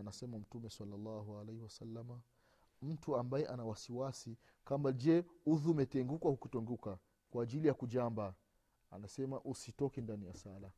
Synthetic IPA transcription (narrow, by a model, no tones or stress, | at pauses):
anasɛmam̩tumɛsalːalːaɦualɛhiwasalːama | m̩tuambajɛʔanawasiwasi | kambad͡ʒɛuðuːmɛtɛŋɡukwahukutɛŋɡuka | kwaːʄilijakuʄamba | a̰nasɛmaʔusitɔkɛndanijasala